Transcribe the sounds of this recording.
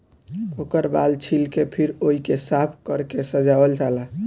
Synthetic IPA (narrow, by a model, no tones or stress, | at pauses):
okəɾbalt͡ʃʰilkepʰiɾoikesapʰkəɾkesəd͡ʒabəld͡ʒala